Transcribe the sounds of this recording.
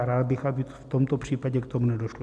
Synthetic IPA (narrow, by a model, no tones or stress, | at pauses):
ɾaːd̪bɪxabɪft̪omt̪opr̝̥iːpaɟɛkt̪omunɛdoʃlo